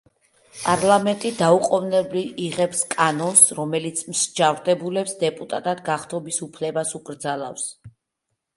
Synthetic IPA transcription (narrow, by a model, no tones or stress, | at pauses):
pʼaɾlˠamɛnt̪ʼid̪auqʼɔvnɛbliiʁɛpskʼanɔnsɾɔmɛlit̪sʰmʃd͡ʒavɾd̪ɛbulɛpsd̪ɛpʼut̪ʼat̪ʼad̪ɡaχt̪ʰɔbisupʰlɛbasukʼɾd̪zalˠa̰fs